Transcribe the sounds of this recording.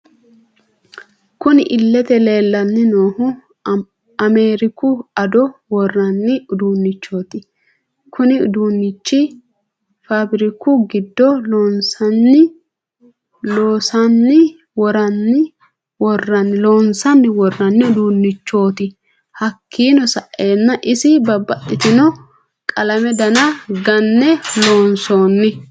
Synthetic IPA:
kʊnɪʔɪlːɛt̪ɛle̞ːlːɐnːɪno̞ːhʊ | ɐmeːɾɪkʊɐd̪ɔwɔrːɐnːɪʊd̪uːnːɪt͡ʃːo̞ːt̪ɪ | kʰʊnɪʊ̰d̪uːnːɪt͡ʃːɪ | fɐbɪɾɪkʊɡɪd̪ːɔloːnsɐnːɪ | loːsɐnːɪ | wɔɾɐnːɪ | wɔrːɐnːɪlo̞ːnsɐnːɪwɔrːɐnːɪʊd̪uːnːɪt͡ʃːo̞ːt̪ɪ | hɐkʰːiːnɔsɐʔːe̞ːnːɐʔɪsɪbɐbːɐt̪ːɪt̪ɪnɔ | kʼɐlɐmɛd̪ɐnɐɡɐnːɛlo̞ːnso̞ːnːɪ

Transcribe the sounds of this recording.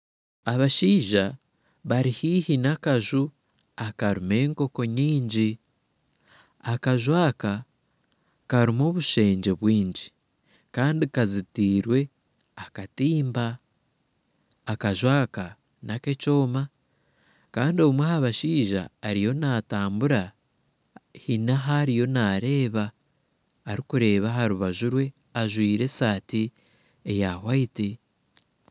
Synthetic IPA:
aβaʃiːʒa | βaɾihiːhinakaʒu | akaɾume̞ːŋko̞ko̞ɲiːɲɟi | akaʒwaːka | kaɾimo̞ːβuʃe̞ːɲɟe̞βwiːɲɟi | kaːndikazitiːɾwe̞ | akatiːmba | kaʒwaːka | nake̞t͡ʃo̞ːma | kaːndioumwehaβaʃiːʒa̰ːɾijo̞nataːmbuɾa | hinaɦaɾijo̞naːɾe̞ːβaː | ɾikuɾe̞ːβaɦaɾuβaʒuɾwe̞ | aʒwiːɾe̞saːti | ejahwaiti

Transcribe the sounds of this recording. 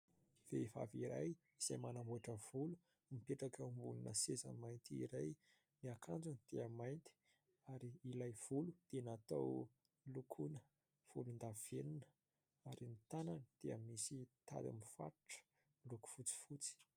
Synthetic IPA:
veva̰viɾa̰j | iz̥ajmanambuaʈ͡ʂəv̥ulu̥ | mipeʈ͡ʂakəumbulunəsezə̰majnt̪iḭɾaj | niakʰand͡zund̪̥eəmajnt̪i̥ | aɾiːlajv̥ulud̪̥enat̪aw | lukʰunə | v̥ulund̪av̥enunə̥ | aɾinit̪ananəd̪̥eəmisit̪a̰d̪a̰mifa̰ɾʈ͡ʂə̥ | luku̥fut͡si̥fut͡si̥

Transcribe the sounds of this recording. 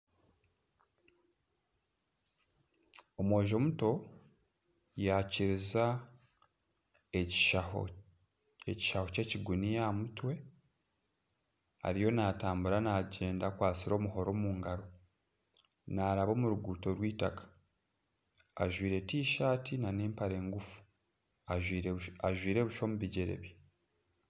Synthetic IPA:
o̞mweːʒo̞ːmuto̞ | jaciɾiza | eaho̰ | eci̥ʃaho̞ce̞ciɡunijamutwe̞ | a̰ɾijo̞naːtaːmbuɾanaɟe̞ːndakwaːt͡siɾo̞ːmuɦo̞ɾo̞ːmuːŋɡaɾo̞ | naːɾaβo̞ːmuɾuɡuːto̞ɾwiːtakḁ | aʒwiːɾe̞tiːʃaːtʰinaneːmpaɾe̞ːŋɡufu̥ | aaʒwiːɾe̞βuʃo̞ːmuβiɟeɾe̞̰βe

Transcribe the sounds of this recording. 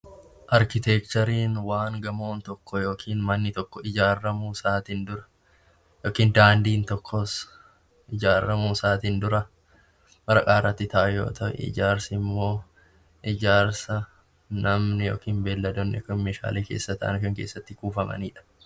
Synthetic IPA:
ʔɐɾkɪt̪ekt̪ɔɾiːnwaːŋɡɐmo̞ːnt̪ɔkːɔjo̞ːkʰiːnmɐnːɪt̪ɔkːɔɪd͡ʒaːrːɐmuːsaːt̪ind̪ʊɾɐ̥ | joːkiːnd̪aːnd̪iːnt̪ɔkʰːɔs | ʔɪd͡ʒaːɾːɐmuːsaːt̪iːnd̪ʊɾɐ | bɐɾɐkʼaːrːɐt̪ːɪt̪ɐʔɐjo̞̰ːt̪ʰɐʔɛ̰ɪ̰d͡ʒaːɾsɪmːo̞ː | ʔɪd͡ʒaːɾsɐ | nɐmnɪjo̞̰ːkiːnbe̞ːlːɐd̪onːɛkɐnmeːʃa̰ːleːkeːsːɐt̪ɐ̰ʔɐ̰nkɐŋkeːsːɐt̪ːɪkuːfɐmɐ̰niːᶑɐ̥

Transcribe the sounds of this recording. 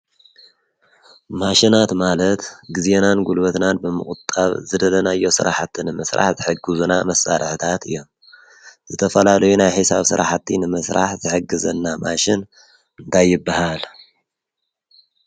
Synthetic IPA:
maʃinat̪malɐt̪ɡɨzenanɡulβɐt̪nanbɨmɨ̰kʼut̪ʼːaβzɨd̪ɐlɐnajːo̞sɨɾaħat̪ʰːinɨmɨsɾa̰ħzɨħɨɡɨzunamɐsaɾħɨt̪ʰat̪ɨjːo̞m | z̥ɨt̪ʰɐfɐlalɐjunajħɨsaβsɨ̰ɾa̰ħat̪ʰːinɨmɨsɾaħzɨħɨɡɨzɐnːamaʃɪn | ɨnt̪ʰajːɪbːahal

